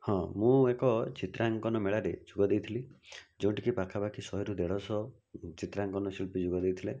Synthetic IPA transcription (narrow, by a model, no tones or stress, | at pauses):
hɔ̃mũekɔt͡ʃit̪ɾaŋkɔnɔmeɭaɾed͡ʒuɡɔd̪ejt̪ʰilid͡ʒeũʈikipakʰabakʰisɔɦiɾud̪eɭɔsɔ | t͡ʃit̪ɾaŋkɔnɔsilpid͡ʒuɡɔd̪ejt̪ʰile